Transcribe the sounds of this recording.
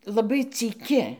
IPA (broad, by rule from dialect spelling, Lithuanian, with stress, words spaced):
lˠɐˈbɐɪ t͡sʲiːˈkʲɪ